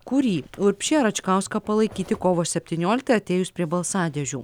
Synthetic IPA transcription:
kʊɾʲiːʊɾʲpʲʃʲiːɐɾɐt͡ʃkɑˑʊskɐpɐlˠɐɪkʲiːt̪ʲɪkoːʋoːsʲɛpʲt̪ʲinʲoːlʲɪkt̪ɐɐt̪ʲeːjʊspʲɾʲiɛbɐlˠsɑːd̪ʲɛʒʲuː

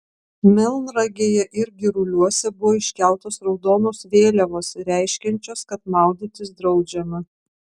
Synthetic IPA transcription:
mʲɪlˠnɾɐɡʲeːjɛʔɪɾʲɡʲɪɾʊlʲuɔsʲɛbʊʋoːɪʃʲkʲæˑlˠt̪oːsɾɒʊd̪oːnoːsʋʲeːlʲɛʋoːsɾʲæˑɪʃʲkʲɛnʲt͡ʃʲoːskɐt̪mɑˑʊd̪ʲit̪ʲɪsd̪ɾɒʊd͡ʒʲɛmɐ

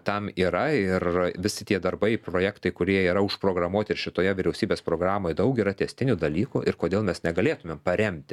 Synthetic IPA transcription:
t̪ɐmiːɾɐɪrʋʲɪsʲɪt̪ʲiɛd̪ɐrbɐɪpɾoːjæːkt̪ɐɪkʊɾʲiɛiːɾɐʊʃpɾoːɡɾɐmuɔt̪ʲɪɾʃʲɪt̪oːjɛʋʲɪɾʲɛʊsʲiːbʲeːspɾoːɡɾɑːmoːjɛd̪ɐʊkʲiːɾɐt̪ʲɛsʲt̪ʲɪnʲud̪ɐlʲiːkuʔɪrkoːd̪ʲeːlˠmʲɛsnʲɛɡɐlʲeːt̪ʊmʲeːmpɐɾʲɛmʲt̪ʲɪ

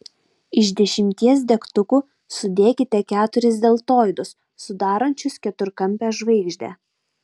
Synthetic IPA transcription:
ɪʃd̪ʲɛʃʲɪmʲt̪ʲiɛs̬d̪ʲɛkt̪ʊkuː | sʊd̪ʲeːkʲɪt̪ʲɛkʲæːt̪ʊɾʲɪsd̪ʲeːlˠt̪oːjd̪ʊsː | ʊd̪ɑːɾɐnʲt͡ʃʲʊskʲɛt̪ʊɾkɐmʲpʲɛːʒʋɐɪɡʒʲd̪ʲɛ̰ː

